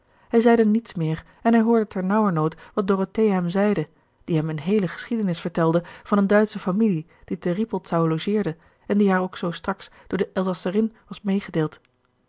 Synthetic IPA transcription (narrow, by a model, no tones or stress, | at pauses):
ɦɛjzɛjdənitsmɪːɹ | ɛnɦɛjɦʊːɹdətʰɛɹnɔwəɹnowtʋɑt̚dorotejɦɛmzɛjdə | d̥iɦɛmənɦejləχə̥sχidənɪsfəɹtɛlˠdəv̥ɑnəndœɥtsəfamili | d̥itəripəlˠtsawlowʒɪːɹdə | ɛndiɦaːɹowksowstrɑksd̥ʊːɹdəʔɛlˠzɑsərɪnʋɑsmejχədeːlˠt